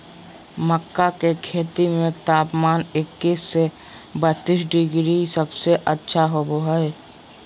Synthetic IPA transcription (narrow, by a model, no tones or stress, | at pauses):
məkːakekʰeːt̪imẽt̪aːpmaːnɪkːiːsːe | bət̪ːisɖɪɡɾisəbseʔətːʃʰaɦoboɦəe